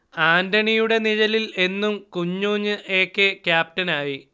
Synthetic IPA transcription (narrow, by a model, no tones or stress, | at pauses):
aːndɐɳijuɽe̞niɻɐlile̞nːumkuɲːuːɲːɨʔeːkːekjaːp̚tɐnaːji